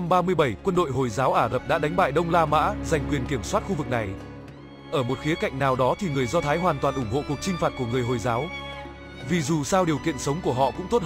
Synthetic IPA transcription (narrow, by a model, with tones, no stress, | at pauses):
mɓaː˧mɨ˧əjɓə˧˩jkwə˧nɗo̰˧˨jɦo˨˩jzaː˨˦wʔaː˧˩ɣə˨˩p̚ɗa̰ː˧˥ɗa˨˦jŋ̟ɓa̰ː˧˨jɗə˧wŋ͡mlaː˧ma̰ː˧˥za˨˩jŋ̟kwi˨˩ənki˧˩əmswa˦˥t̚xu˧vɨ˨˩k̚na˨˩j | ʔəː˧˩mo˨˩t̚xi˨˦əka̰˧˨jŋ̟naː˨˩wɗɔ˨˦t̪ʰi˨˩ŋɨ˨˩əjzɔ˧t̪ʰaː˨˦jɦwaː˨˩nt̪waː˨˩nʔʊ˧˩ŋ͡mho̰˧˨ku˨˩ək̚t͡ɕï˧ŋ̟faː˨˩t̚ku˧˩əŋɨ˨˩əjɦo˨˩jzaː˨˦w | vi˨˩zu˨˩saː˧wɗi˨˩əwkḭ˧˨ənsə˨˦wŋ͡mku˧˩əɦɔ̰˧˨kʊ̰˧˥ŋ͡mt̪o˦˥t